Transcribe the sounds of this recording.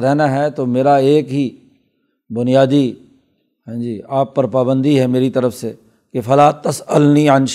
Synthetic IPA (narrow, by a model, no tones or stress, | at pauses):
ɾɛɦnaɦɛt̪oːmeːɾaeːkɦiː | bʊnijaːd̪i | ɦãːd͡ʒiːaːpːɐɾpaːbə̃nd̪iɦɛmeːɾit̪ɐɾəfse | kefʰɐlaːt̪ɐsəlniənʃ